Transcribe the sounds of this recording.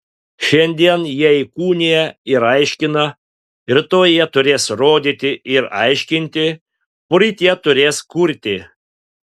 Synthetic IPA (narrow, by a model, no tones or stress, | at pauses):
ʃʲɛnʲd̪ʲiɛnjiɛikuːnʲijɛɪɾɐɪʃʲkʲɪnɐ | ɪɾt̪oːjiɛt̪ʊɾʲeːsɾoːd̪ʲiːt̪ʲɪɪɾɐɪʃʲkʲɪnʲt̪ʲɪ | pʊɾʲit̪ʲiɛt̪ʊɾʲeːskʊɾʲt̪ʲɪ